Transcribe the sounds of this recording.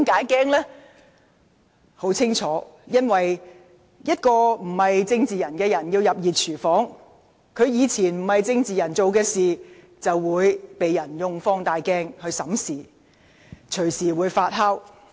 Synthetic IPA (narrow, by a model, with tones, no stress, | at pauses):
mkaː˨˥jkɛː˥ŋlɛː˥ | ho˨˥wt͡sʰɪ˥ŋt͡sʰɔː˨˥jɐ˥nwɐ˨j | jɐ˥t̚kɔː˧m̩˨˩hɐ˨jt͡sɪ˧ŋt͡siː˨jɐ˨˩nkɛː˧jɐ˨˩njiː˧wjɐ˨p̚jiː˨t̚t͡sʰyː˨˩fɔː˨˥ŋ | kʰɵ˨˧ɥjiː˨˧t͡sʰiː˨˩nm̩˨˩hɐ˨jt͡sɪ˧ŋt͡siː˨jɐ˨˩nt͡so˨wkɛː˧siː˨ | t͡sɐ˨wːuː˨˧jpe˨jjɐ˨˩njʊ˨˧ŋfɔː˧˥ŋt̪aː˨jkɛː˥ŋhɵ˧ɥsɐ˨˥msiː˨˩ | t͡ʃʰɵ˨˩ɥsiː˨˩wuː˨˥jfaː˧t̚ɦɐ˥w